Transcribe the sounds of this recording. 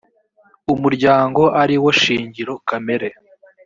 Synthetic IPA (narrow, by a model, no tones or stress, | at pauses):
umuɾɟaːŋɡo̞ʔaɾiwoʃiːɲɟiɾo̞kame̞ɾe